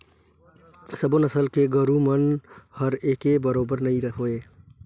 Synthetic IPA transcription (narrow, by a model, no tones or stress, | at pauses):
səbonəsəlkeɡəɾumənhəɾeːkebəɾoːbəɾnɐɦĩɾəɦoːeː